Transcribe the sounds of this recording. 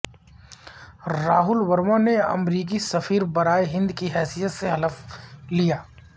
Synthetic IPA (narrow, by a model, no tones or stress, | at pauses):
ɾaːɦʊlwɐɾmoneɐ̰mɾiːk̬isɐfiːɾbɐɾaːjeɦɪ̃nd̪kiɦɛːsijət̪seɦɐləflijaː